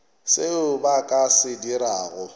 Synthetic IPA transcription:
sɪʊbakʼasɪdiɾaːɣʊ

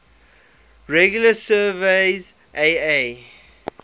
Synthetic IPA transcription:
ɹɛɡjuləsɜːveɪz | ʔee

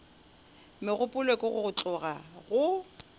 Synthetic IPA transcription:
mɪɣʊpʼʊlwekʼɔɣʊɣʊt͡ɬʼʊɣaɣʊ

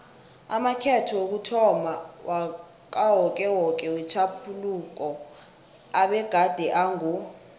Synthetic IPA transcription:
amakʰɛtʰɔwok̬utʰɔmawʔa | k̬ʼawɔkʼɛwɔkʼɛwɛt͡ʃʰapʰuluk̬ɔ | aɓɛɡ̥ʱad̥ʱɛʔaŋu

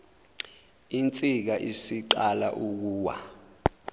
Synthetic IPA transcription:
int͡sʼik̬aʔisiǃala̰ʔuk̬uːwa̰

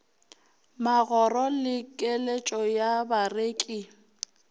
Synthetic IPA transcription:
maɣɔrɔlɪkʼelet͡ʃʼɔjabareːkʼɪ

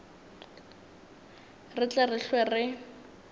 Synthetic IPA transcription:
rɪt͡ɬʼɛrɪɬwɛrɪ

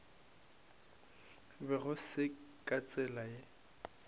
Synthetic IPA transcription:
bɛɣʊsɪkʼat͡sʼɛlaɪ

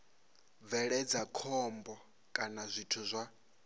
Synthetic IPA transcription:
b̪vɛɺɛd͡zakʰɔmbɔ | kʼanazʷitʰuzʷa

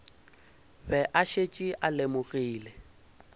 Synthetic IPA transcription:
ɸɛʔaʃet͡ʃʼiʔalemʊɣiːlɛ

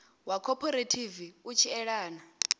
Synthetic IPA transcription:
wakʰɔpʰɔɾetʰiviut͡ʃʰiɛɺaːna

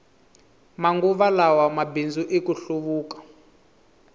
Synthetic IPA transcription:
maŋɡuβalawamabind͡zuʔekuɬuβuːkḁ

